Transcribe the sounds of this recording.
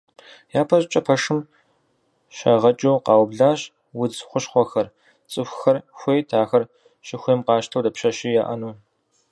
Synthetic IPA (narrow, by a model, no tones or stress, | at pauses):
jaːpʰɐʑt͡ʃʼɐpʰɐʂɨm | ɕɐʁɐt͡ʃʼuːqɑːwbɮaːɕ | wʊd͡zχʷʊɕχʷɔxɐr | t͡sʼɨxʷxɐrxʷeːjtʰaːxɐr | ɕɪxʷeːmqɑːʃtʰɐwdɐpɕɐɕiːjaːʔɐnuː